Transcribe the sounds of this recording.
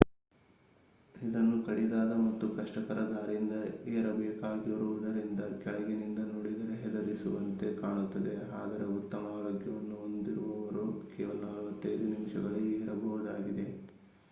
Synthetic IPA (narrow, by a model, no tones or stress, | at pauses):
id̪ɐnːukɐɽid̪aːd̪ɐmɐt̪ːukɐʂʈɐkɐɾɐd̪aːɾind̪ɐeːɾɐbɛːkaːɡiʋɐɾuʋud̪ɐɾind̪ɐkɛɭɐɡinind̪ɐnoɽid̪ɐɾeɦɛd̪ɐɾisuʋɐnt̪e̞kaːɳut̪ːɐd̪e̞a̰ːd̪ɐɾe̞ut̪ːɐmɐaːloːɡjɐʋɐnːuond̪iɾuʋɐʋɐɾukɛːʋɐlɐnɐlʋɐt̪ːɐjd̪unimʂɐɡɐɭieːɾɐbɐʋud̪aːɡid̪e̞